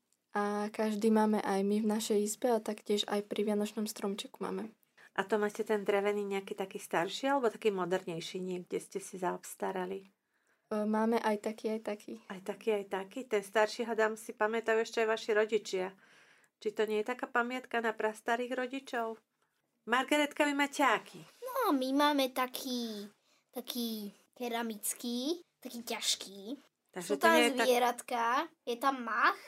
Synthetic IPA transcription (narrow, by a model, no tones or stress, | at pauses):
ʔakaʒd̪iːmaːmɛ̰ʔajmivnaʃɛjizbɛat̪akcɪɛʒa̰jpɾʔiʋɪanɔt͡ʃnɔmst̪ɾɔmt͡ʃɛku̥ma̰ːmɛ | ʔat̪ɔmacɛt̪ɛnd̪ɾɛʋɛniːɲɛakiːt̪akiːst̪aɾʃialɛbɔt̪akiːmɔd̪ɛɾɲɛjʃiɲɛɡɟɛscɛsizaɔpst̪aɾali | maːmɛʔajt̪akiːajt̪akʰiːajt̪akiːajt̪akiːt̪ɛnst̪aɾʃiɦɔd̪amsipamɛt̪ajuɛʃcɛajʋaʃiɾɔɟit͡ʃɪa | t͡ʃit̪ɔɲɛjɛt̪akaːpamɪat̪kanapɾast̪aɾiːɣɾɔɟit͡ʃɔʊ | maɾɡɛɾɛt̪kaʋimacɛakʰinɔamimaːmɛt̪akʰiː | t̪akʰiː | kɛɾamit͡skiːt̪akiːcaʃkiː | t̪aɡʒɛt̪ɔɲɛjɛzaɛɾat̪kajɛt̪amːax